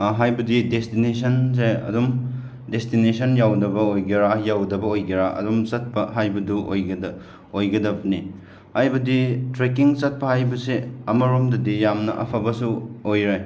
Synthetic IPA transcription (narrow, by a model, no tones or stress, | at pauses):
ɦajbɐdidestinesʰɐns̬eɐ̰dum | destinesʰɐnjawdɐbɐojɡeɾajawdɐbɐojɡeɾaʔɐ̰dumsɐt̚pɐɦajbɐduʔo̰jɡɐdɐ | ojɡɐdɐbɐni | hajbɐditɾekiŋt͡ʃɐt̚pɐhajbɐseɐmɐɾomdɐdijamnɐ̰ʔɐpʰɐbɐsuojɾaj